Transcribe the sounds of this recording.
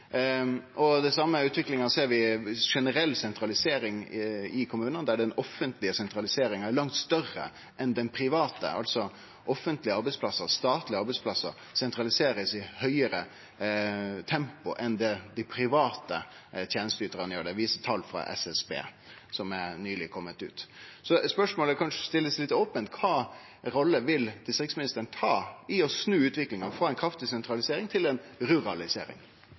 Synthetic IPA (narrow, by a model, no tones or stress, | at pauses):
ʔɔd̪ɛsɑmːəʉːt̪ʋɪklɪŋɑseːɾʋɪʂɛnəɾɛlːsɛnt̪ɾɑlɪseːɾɪŋɪkʰʊmʉːnənd̪æɖɛnɔfːənt̪lɪəsɛnt̪ɾɑlɪseːɾɪŋɑæɾɭɑŋt̪st̪œrə̰ | ʔɛnd̪ɛnpʰɾɪʋɑːt̪ə̰ɑ̰lt̪sɔ | ʔɔfːənt̪lɪəɑɾbɛɪspʰlɑsəɾst̪ɑːt̪lɪɑɾbɛɪspʰlɑsːə̰ | sɛnt̪ɾɑlɪseːɾəsɪhœʏəɾə | t̪ʰɛmpʊʔɛnd̪ɛd̪ɪpʰɾɪʋɑːt̪ət̪ʰjeːnəst̪əyːt̪əɾənjøːɖ̪ɛʋiːsət̪ʰɑlːfɾɑ̰ʔɛ̰sɛsbḛː | sɔmæɾnyːlɪkʰɔmːət̪ʉ̰ːt̪sɔspœʂmoːləækʰɑnʂəst̪ɪlːəslɪt̪ɔːpənt̪kʰɑː | ɾɔlːəʋɪld̪ɪst̪ɾɪksmɪnɪst̪əɾənət̪ʰɑːɪɔsnʉːʉːt̪ʋɪklɪŋɑnfɑːɛnkʰɾɑft̪ɪsɛnt̪ɾɑlɪseːɾɪŋt̪ʰɪlɛnɾʉɾɑlɪsḛːɾɪ̰ŋ